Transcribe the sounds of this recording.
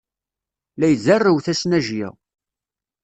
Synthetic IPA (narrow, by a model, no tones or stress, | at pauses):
læjzərːəwθæsnæʒjɪ̰ʁ